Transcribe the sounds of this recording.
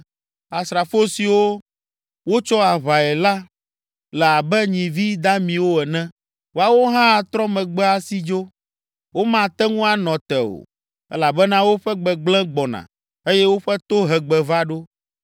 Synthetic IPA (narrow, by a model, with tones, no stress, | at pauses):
a˨sɾa˨fo˦si˨wo˦ | wo˦t͡ʃɔ˦a˨βa˨ɛ˨la˦ | lɛ˨a˨bɛ˦ɲĩ˨vi˦d̪a˦mĩ˨wo˦ɛ˨nɛ̃˦ | wo˦a˨wo˦ɦã˦˨t̪ɾɔ̃˦mɛ̃˨ɡ͡bɛ˦a˦si˦d͡ʒo˦ | wo˦mã˨t̪ɛ˦ŋũ˦a˦nɔ̃˨t̪ɛ˨o̰˨ | ɛ̰˦la˨bɛ˦nã˦wo˦ɸɛ˦ɡ͡bɛ˨ɡ͡blɛ̃˦ɡ͡bɔ˨nã̰˨ | e˦jɛ˦wo˦ɸɛ˦t̪o˦ɦɛ˨ɡ͡bɛ˨va˦ɖo˦